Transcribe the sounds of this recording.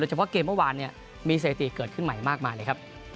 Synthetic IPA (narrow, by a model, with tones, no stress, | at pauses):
oː˧jt͡ɕʰa˧pʰɔ˥˩keː˧mːɯ˥˩waː˧nːi˥˩ɐ | miː˧s̬eː˨˩t̪ḭ˨˩kɤː˨˩t̪̚kʰɯ˥˩nma˨˩jmaː˥˩k̚maː˧jləː˧jkʰa˦˥p̚